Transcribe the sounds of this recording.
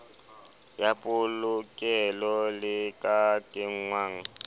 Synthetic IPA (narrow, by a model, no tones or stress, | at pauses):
japʼʊlʊkʼɛlɔlɪkʼakʼɪŋŋwaːŋ̩